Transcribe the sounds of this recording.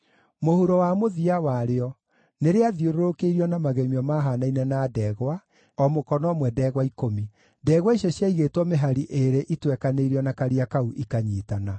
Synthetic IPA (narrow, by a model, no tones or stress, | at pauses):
mohuɾɔwamoðiawaɾeɔ | neɾeaðioɾoɾokeiɾiɔnamaɣɛmiɔmaɦanainɛnadɛːɣwa | ɔmokɔnɔmwɛdɛɣwaikomi | dɛːɣwaiɕjɔɕjaiɣeːtwɔmeɦaɾiʔeɾeʔitwɛkaneiɾiɔnakaɾiakauʔikaɲiːtana